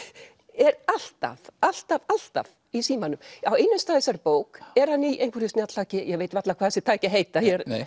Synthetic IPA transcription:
ɛɾal̥t̪a̰val̥t̪aval̥t̪a̰v | isiːmanʏmawejnʏnst̪aːðɪsaɾpoːwkɛɾ̥haniʔejŋkʰvɪɾʏstnat̪laːcɪjɛɣveːjt̪vat̪lakʰvaːðɛsɪ̥t̪ʰaːjcɪɦeːjt̪ajɛɾ̥

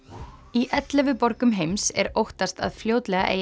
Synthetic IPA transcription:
iʔɛt̪lɛvʏpɔɾkʏmɦejmsɛ̰ɾowht̪ast̪a̰ðfljoːwt̪lɛɣa̰ʔḛː

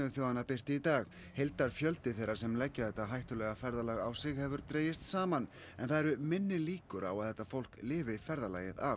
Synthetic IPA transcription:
ʏθjoːwðanapɪr̥t̪ɪit̪aːɣ | hejlt̪aɾ̥fjœlt̪ɪθejɾḁsɛmlɛcːaθɛht̪ːaɦajht̪ʏlɛɣafɛɾðalaɣawsɪɣhɛvʏɾt̪ɾeːjɪst̪saːman | ɛnθaðɛɾʏmɪnːɪliːkʏɾa̰waðθɛht̪ːafowl̥klɪːvɪfɛɾðala̰ːjɪða̰

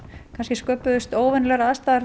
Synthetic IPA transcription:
kʰanscɪskœːpʏðʏst̪oːwvɛnlɛɾaast̪aðaɾ

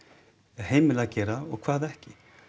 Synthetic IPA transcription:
ɛðɦeːjmɪlacɛːɾaɔɣkʰv̥aːðɛhcɪ

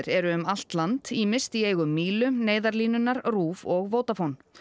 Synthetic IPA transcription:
ɾɛɾʏʏmal̥t̪lant̪iːmɪst̪ieːjɣʏmːiːlʏneːjðaɾliːnʏnːaɾ̥ruːvɔɣvoːwt̪afown

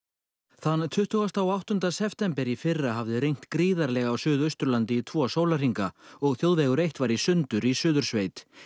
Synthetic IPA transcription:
θanːt̪ʰʏht̪uɣast̪awawht̪ʏnt̪asɛft̪ɛmpɛɾifɪrːaɦavðɪɾejŋ̥t̪kɾiːðaɾlɛɣawsʏːðœɥst̪ʏɾlant̪ɪːt̪ʰvɔːsowlar̥iŋkaɔɣθjowðvɛːɣʏɾejht̪vaɾisʏnt̪ʏɾisʏːðʏɾ̥sveːjt̪

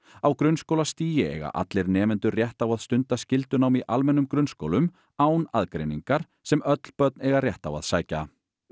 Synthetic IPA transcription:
awkɾʏnskowlast̪iːjɪɛ̰ɣa̰ʔa̰t̪lɪɾnɛːmɪnt̪ʏrjɛht̪awaðst̪ʏnt̪ascɪl̪t̪ʏnaːwmiʔalmɛnːʏmkɾʏnsko̰wlʏm | aːwnaðkɾḛjniŋkaɾ̥ | sɛmœt̪l̥pœt̪̚nɛɣarjɛht̪awa̰ðsaːjca̰

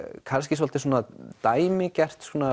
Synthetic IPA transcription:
kʰanscɪs̬ɔlt̪ɪsuːnat̪aːjmɪcɛr̥t̪skuːna

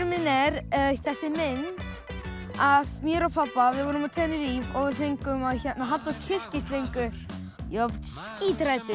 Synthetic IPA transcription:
ɾmɪnɛɾθɛsːɪmɪnt̪ | aðmjɛɾɔwpʰapːavɪðvɔːɾʏmɔt̪ʰɛːnɪɾiːvɔɣvɪðθejŋkʏmaðçɛnːaɦal̥t̪acʰɪfcɪst̪lejŋkʏ | jɛsciːt̪ɾajt̪ʏ

